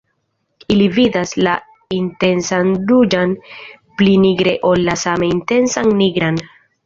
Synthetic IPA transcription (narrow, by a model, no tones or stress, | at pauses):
ilividasla | inte̞nsanɾud͡ʒan | pliniɡɾe̞ʔo̞lːasameinte̞nsanːiɡɾan